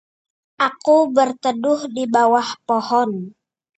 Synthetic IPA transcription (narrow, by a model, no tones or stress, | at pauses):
ʔakubərt̪ədʊhdibawahpohɔn